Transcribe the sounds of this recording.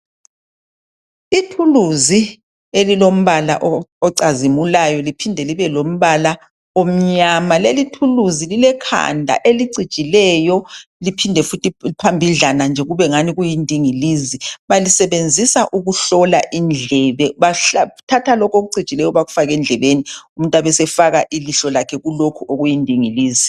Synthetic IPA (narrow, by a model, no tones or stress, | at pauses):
itʰuluzi | elilom̩βala̰ʔɔɔǀazimulajɔlipʰindʱɛliβɛlom̩βala | om̩ɲamalelitʰuluzililɛkʰa̰ndʱa̰ʔeliǀi̥t͡ʃʼilɛːjɔlipʰindʱɛfutʰipʰambʱiɮanand͡ʒʱɛɣuβɛŋaniɣujindʱiŋiliːziβalisɛβend͡zʱisaʔuɣuɬɔla̰ʔind͡ɮʱɛβɛβaɬatʰatʰalɔkʰoɣuǀid̥t͡ʃʼilɛjɔβaɣufaɣɛnd͡ɮʱɛβenium̩ntʼwaβɛsɛfaɣaʔiliɬɔlakʰɛɣulokʰuʔoɣujindʱiŋiliːzi